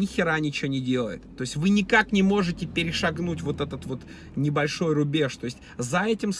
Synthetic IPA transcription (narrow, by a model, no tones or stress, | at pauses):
ɪxʲɪɾanʲɪt͡ɕɪonʲɪdʲe̞lˠə̰jɪ̰t̪ːo̞ɪsʲtʲvɨnʲɪkaknʲɪmo̞ʐɨtʲɪpʲɪɾʲɪʂɐɡnutʲvo̞t̪ɛt̪ət̪vo̞t̪ | nʲɪbɐlʲʂo̞jrʊbʲe̞ʂt̪o̞ɪsʲtʲzɐɛtʲɪms